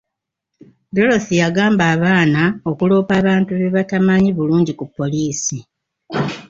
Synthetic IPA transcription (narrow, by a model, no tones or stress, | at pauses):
do̞lo̞θijaɡaːmbaːβaːnao̞kulo̞ːpaːβaːntuβe̞βatamaɲiβuluːɲɟikupːo̞liːsi